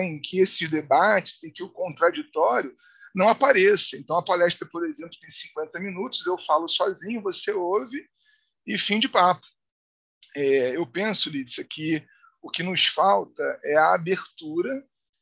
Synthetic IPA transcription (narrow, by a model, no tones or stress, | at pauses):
ẽj̃kʰɪesɪzd̪ebat͡ʃɪ̥zẽj̃kɪʊkõnt̪ɾad͡ʒit̪ɔɾjʊ | nɐ̃w̃apaɾɛsɐẽnt̪ɐ̃w̃ɐpalɛʃt̪ɾɐpoɾezẽplʊt̪ẽj̃sĩŋkwẽnt̪ɐminut̪ʊzewfalʊsɔzĩɲʊvoseowvɪ | ɪfĩd͡ʒɪpapʊ̥ | ɛewpẽsʊlisɐkʰɪ | ʊkɪnʊʃfawt̪ɐɛɐabeχt̪uɾɐ